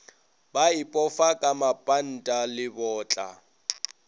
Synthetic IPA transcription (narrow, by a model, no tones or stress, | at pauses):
baɪpʼɔfakʼamapʼan̩tʼalɪbɔːt͡ɬʼa̰